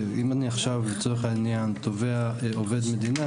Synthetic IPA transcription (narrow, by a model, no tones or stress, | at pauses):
imaniaχʃavbet͡soʁeχainjant̪oveaoved̪med̪ina